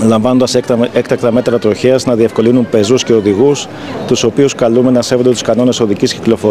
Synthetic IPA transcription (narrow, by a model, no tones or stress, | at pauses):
lɐɱvɐnond̪ɐsekt̪ɐk̚t̪ɐme̞t̪ɾɐt̪ɾo̞çiɐznɐðie̞fko̞linumpe̞zusce̞o̞ðiɣus | t̪uso̞piuskɐlume̞nɐse̞vond̪e̞t̪u̥skɐno̞ne̞so̞ðicisciklo̞fo